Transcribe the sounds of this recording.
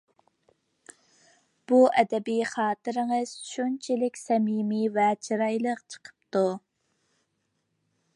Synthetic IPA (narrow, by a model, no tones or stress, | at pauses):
b̥uʔɛd̪ɛbijχɑːt̪ɨɾɨŋəz̥ʃunt͡ʃʰɪlɪkʲsɛmimivɛt͡ʃʰiɾɑjlˠəqt͡ʃʰə̥qʰə̥p̚t̪u